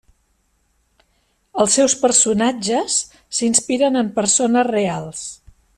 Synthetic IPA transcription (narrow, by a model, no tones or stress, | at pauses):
əlˠsːɛwspəɾsunad͡ʒəsː | inspiɾənəmpəɾsonəzrealˠs